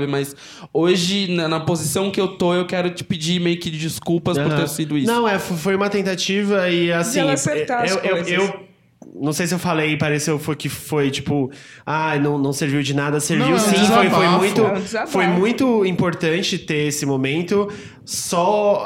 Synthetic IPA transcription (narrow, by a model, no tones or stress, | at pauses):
vɪmɐs | oʒɪnɐnɐpozisɐ̃w̃kɪewt̪oewkɛɾʊt͡ʃɪ̥pɪd͡ʒimejʊkɪd͡ʒiskulpɐspɾoɾt̪eɾsid̪ʊinɐ̃w̃ɛffojũmɐt̪ẽnt̪at͡ʃivɐɪasĩet̪aewewzew | nɐ̃w̃sejs̬ɪewfalejpaɾesewfojkɪfojt͡ʃi̥pʊ | anɐ̃w̃nɐ̃w̃seɾviwd͡ʒɪnad̪ɐseɾvviwasĩffojfojmũj̃t̪ʊfojmũj̃t̪ʊĩpoɾt̪ɐ̃nt͡ʃɪt̪eɾesɪmomẽnt̪ʊ | sɔ